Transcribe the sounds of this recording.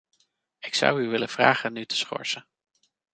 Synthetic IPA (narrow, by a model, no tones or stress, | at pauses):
ɪksʌ̰wyʋɪlənv̥ra̰ːχənytə̥sχɔ̰ɹsə